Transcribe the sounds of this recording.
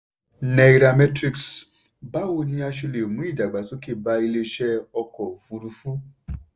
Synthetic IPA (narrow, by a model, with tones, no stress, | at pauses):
nɛ˨i˨ɾa˨mɛ˦tɾi˨˧ks | ba˦wo˧nĩ˧a˧ʃe˧le˨mũ˨˦i˦˨da˨ɡ͡ba˨su˦ki˧ba˧i˧le˧ʃɛ˦ɔ˧kɔ˨vu˧ɾu˧fu˦